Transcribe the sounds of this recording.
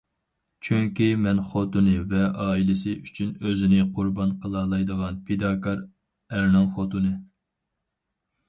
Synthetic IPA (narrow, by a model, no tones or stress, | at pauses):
t͡ʃʰyŋkʲimɛnχot̪unɨvɛɑːilɪsɪʔyt͡ʃʰynøzɪnɪqʰʊɾbɑnqʰəlˠɑlˠɑjd̪əʁɑnpʰed̪ɑːkʰɑɾ | æɾnɨŋχot̪unɨ